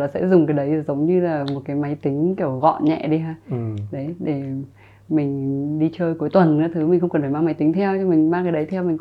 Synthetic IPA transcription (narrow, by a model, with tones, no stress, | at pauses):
laː˨˩sɛ̰˧˥zʊ˨˩ŋ͡mk̬a˨˦jɗə˨˦jzə˨˦wŋ͡mɲɨ˧laː˨˩mo˨˩t̚kaː˨˦jma˨˦jt̪ï˨˦ŋ̟ki˧˩əwɣɔ̰˧˨nɲɛ̰˧˨ɗi˧ɦaː˧˨ɗə˨˦jɗe˧˩ | mï˨˩ŋ̟ɗi˧t͡ɕəː˧jku˨˦əjt̪wə˨˩nnɨ̰˧˥t̪ʰɨ˨˦mi̟˨˩xə˧wŋ͡mkə˨˩nfa˧˩maː˧ma˨˦jt̪i˨˦ŋt̪ʰɛ˧wt͡ɕɔ˧mï˨˩ŋ̟maː˧ŋkaː˨˦jɗə˨˦jt̪ʰɛ˧wmï̟˨˩